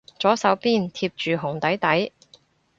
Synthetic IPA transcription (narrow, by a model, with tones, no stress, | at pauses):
t͡sɔː˨˥sɐ˨˧wpiː˥˩nt̪ʰiː˧p̚t͡ʃyː˨ɦʊ˨˩ŋt̪ɐ˨˥jt̪ɐ˨˥j